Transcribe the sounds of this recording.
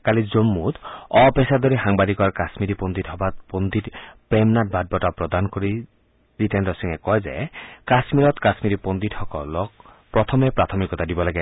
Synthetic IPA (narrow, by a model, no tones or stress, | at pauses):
kalizomːut̪ɔpesad̪ɔɾiɦaŋbad̪ikɔaɹkasmiɾipond̪itɦɔbat̪pond̪itpɾemnat̚bad̚bɔtapɾɔd̪anɔkɔɾi | ɾitendɔsiŋekɔɦezḛkasmiɾɔt̪kasmiɾipond̪ithɔkɔlɔk̚ | pɾɔt̪ʰɔmepɾat̪ʰɔmikɔt̪ʰadibɔlaɡe